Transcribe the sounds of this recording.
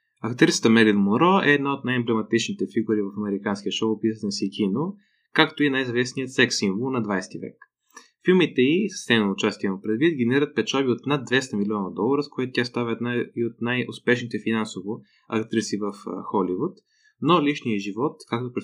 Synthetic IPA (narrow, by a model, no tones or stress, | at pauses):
ɐkt̪ɾisə̥t̪əmɛlid̪moɾɔɛːd̪naot̪najɛmblɛmɐt̪it͡ʃnit̪ɛfiɡuɾivəfɐmɛɾikanskʲiəʃoʊpisət̪ɛsikʲʰino | kakt̪oinajzɐvɛsnijət̪sɛksiɱvəlˠnɐd̪vajst̪ivɛ̰k | filˠmit̪ɛisə̥st̪ɛnnʊt͡ʃast̪ʲiiməmpɾɛd̪vit̪ɡɛnɛɾiɾət̪̚pɛt͡ʃabiot̪nad̪̚d̪vɛst̪əmilʲiɔnəd̪ɔlˠəɾəskoɛt̪ʊt̪ʲast̪avʲəɛd̪naiot̪najʊ̰spɛʃnit̪ɛfinansovʊ | ɐkt̪ɾisivəfxɔlivut̪ | noliʃnijəʒivɔt̪kak̚t̪opɾɛ